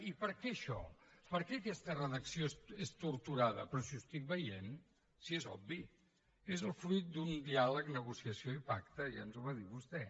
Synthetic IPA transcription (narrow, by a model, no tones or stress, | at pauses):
ipəɾkɛəʃɔ̰pəɾkɛəkɛst̪ərəðəksiosest̪uɾt̪uɾaðə̰pɾɔsiust̪ik̚bəjen | siezɔ̰bi | ezəlˠfɾujt̪̚d̪und̪ialəknəɣusiəsioipakt̪əʒa̰nzuβaðiβust̪ɛ